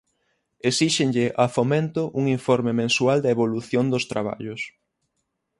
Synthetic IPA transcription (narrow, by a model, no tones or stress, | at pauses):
esiʃɪŋʎɪʔafomẽnt̪ʊʔuŋiɱfɔɾmemẽnsuald̪ɐeβoluθjond̪ʊst̪ɾaβa̰ʎʊs